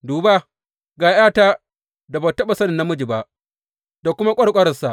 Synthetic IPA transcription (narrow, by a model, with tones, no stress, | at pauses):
duː˨ba˦ | ɡaː˨jaː˦taː˦ | da˨ba˨tɐ˦ɓa˨sɐ˦nɪ˨nːa˦mʊ˦d͡ʒi˨ba˦ʔ | da˨kʷʊ˦ma˦kʷʼɐ˦ɽkʷʼɐ˦ɾɐ˨sa˨